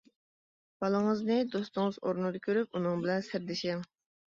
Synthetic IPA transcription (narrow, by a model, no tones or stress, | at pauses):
b̥ɑlˠəŋəznɨd̪ost̪ʊŋɨzoɾnɨd̪ɑkʲʰøɾyp̚unɨŋbɪlɛnsæɾd̪ɪʃɪŋ